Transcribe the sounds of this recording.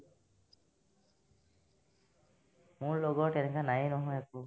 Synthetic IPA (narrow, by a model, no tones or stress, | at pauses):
mʊɹloɡɔʈɛnɛkanajinɔɦɔjaku